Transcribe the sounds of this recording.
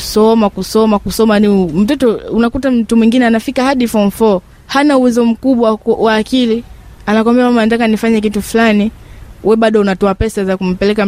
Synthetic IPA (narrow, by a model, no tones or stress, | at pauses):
sɔmakusɔmakusɔmanim̩tɛtɔunakutam̩tumwĩŋɡinɛanafikahaɗifɔɱfɔ | hanauwɛzɔm̩kuɓwawaːkilianak̬wambɛamamant̬akanifaɲɛk̬itufulaniwʔɛɓaɗɔunatɔapɛsazakum̩pɛlɛka